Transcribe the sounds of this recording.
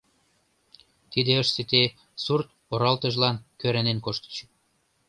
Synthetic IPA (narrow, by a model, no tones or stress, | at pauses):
t̪id̪eəʃset̪e | surt̪̚ | oɾɑlt̪ə̆ʒlɑnkøɾænenkoʃt̪ə̥t͡ɕ